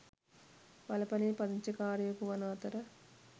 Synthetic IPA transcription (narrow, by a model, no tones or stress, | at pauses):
ʋɐlɐpɐniːpɐd̪iɲt͡ʃikaːɾjɐkuʋɐnaːt̪ɐɾɐ